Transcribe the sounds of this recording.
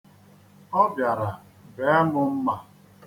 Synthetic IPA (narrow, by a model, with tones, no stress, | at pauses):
ɔ˦bja˨ɾa˨ | be˨˦e˦mʊ˦m̩˦ma˨